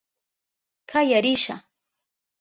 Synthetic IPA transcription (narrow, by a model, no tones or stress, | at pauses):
kajaɾɪʃa̰